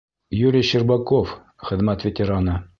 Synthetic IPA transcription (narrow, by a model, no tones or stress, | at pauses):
juɾʲɪjɕɘrbakof | χɘ̆ðmæt̪vʲɪt̪ʲɪɾana